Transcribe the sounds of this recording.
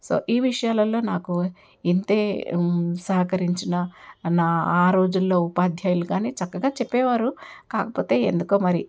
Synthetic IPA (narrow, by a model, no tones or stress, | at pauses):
so̞̰ːʔiːʋiʂɐjaːlɐlːo̞ːnaːku | int̪e̞ː | sɐɦɐkɐɾiɲt͡ʃinɐnaːaːɾo̞ːd͡ʒulːoːupaːd̪ʱjaːjulukaːniːt͡ʃɐkːɐɡaːt͡ʃepːɛːʋaːɾukaːkɐpo̞ːt̪e̞ːḛnd̪ukoːmɐɾi